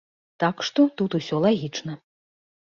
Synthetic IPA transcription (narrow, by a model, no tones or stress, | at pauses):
t̪akʂt̪ɔt̪ut̪usʲɔlˠaɣʲit͡ʂnɐ